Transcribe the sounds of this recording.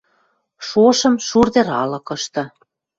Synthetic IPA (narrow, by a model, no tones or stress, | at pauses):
ʃoʃɤ̆mʃurd̪eɾɑlɤ̆kɤ̆ʃt̪ɤ̆